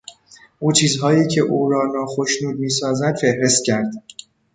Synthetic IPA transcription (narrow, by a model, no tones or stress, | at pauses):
ʔuːt͡ʃʰiːzɦɒːjiːcʰe̞ʔuːɾɒːnɒːxoʃnuːd̪̚miːsɒːzæd̪fe̞hɾe̞st̪̚cʲʰæɾd̪̥